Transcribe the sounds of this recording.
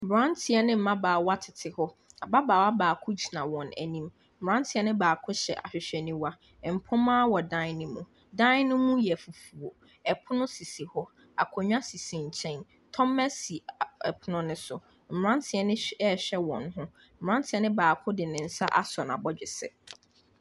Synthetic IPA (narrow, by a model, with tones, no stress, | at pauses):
m̩˨bɾã˦ntʰɪ˨ɛ˦nɪ̃˦m̩˦˨mã˦baː˨wa˦tʰɪ˨tʰɪ˨hɔ˦ | a˨ba˦baː˨wa˦baː˨kʰʊ˦d͡ʑi˨nã˨wɔ̃˨næ̰˨nĩ˦m̩˨ | bɾã˦ntʰɪ˦ɛ˦nɪ̃˦baː˨kʰʊ˦ɕɛ̰˨ʔa̰˨ɕᶣɪ˨ɕᶣɛ˨nĩ˦wa˦˨ | m̩˨pʰʊ̃˦mãː˦wɔ˨dã˦nʊ̃˦mũ˨ | dã˦nʊ̃˦mũ˦jɛ˨fu˨fu˨o˨ | ɛ˨pʰʊ˦nʊ̃˦si˨si˨hɔ˦ | a̰˨kʰɔ˨ɲᶣã˦si˨sĩ˨ɲ̩˨t͡ɕʰɛ̃˦n | tʰɔ̃˦mːɛ˦si˨ɛ˨pʰʊ˦nʊ̃˦nʊ̃˦sʊ˨ | m̩˨ɾã˦ntʰɪ˨ɛ˦nɪ̃˦ɛ˦˨ɕᶣɛ˦wɔ̰̃˨nɦʊ̃˦ | m̩˨mɾã˦ntʰɪ˨ɛ˦nɪ̃˦baː˨kʰʊ˦dɪ˨nɪ̃˨n̩˨sa˦ʔa˦sɔ˨na̰˨bɔ˦d͡ʑᶣɪ˨sɛ̰˨